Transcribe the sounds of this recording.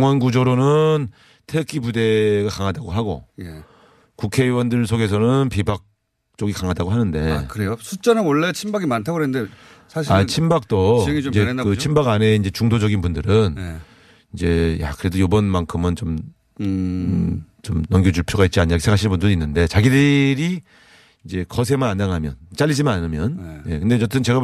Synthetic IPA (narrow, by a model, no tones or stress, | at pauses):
ŋwanɡud͡ʑoɾonɯn | tʰeɯk͈ipude̞ɡakaŋadaɡoɦaɡo̰je | kukʰe̞ɯwʌndɯɭsʰoɡe̞s̬ʰʌnɯnpibak̚ | t͡ɕ͈oɡikaŋɦadaɡoɦanɯnde̞kɯɾejosʰut͡ɕ͈ʌnɯnwʌɭːet͡ɕʰimbaɡimantʰaɡɯɾennde | sʰaɕat͡ɕʰimbak̚t͈oid͡ʑekɯt͡ɕʰimbaɡane̞ind͡ʑe̞t͡ɕuŋdod͡ʑʌɡinbundɯɾɯn | ind͡ʑe̞ja̰kɯɾe̞dojobʌnmaŋkʰɯmɯnt͡ɕom | t͡ɕomnʌŋɡjod͡ʑuɭpʰjoɣait̚t͡ɕ͈iaɲiakesʰeɦaɕʰinbundɯɾinːɯnde̞t͡ɕaɡidɯɾi | ind͡ʑe̞kʌsʰe̞manandaŋɦamjʌ̰nt͡ɕ͈aʎːid͡ʑimananɯmjʌnje̞kɯnde̞t͡ɕʌt͈ʰɯnt͡ɕe̞ɡa